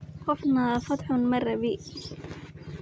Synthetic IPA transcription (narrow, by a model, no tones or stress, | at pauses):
xafnafɑt̪ˤħnmɑrˤːɑbiː